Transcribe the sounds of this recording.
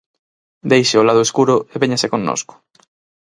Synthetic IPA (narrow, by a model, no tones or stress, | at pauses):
d̪ejʃeolað̞ʊeskuɾʊeβeɲasekõnːo̰skʊ̥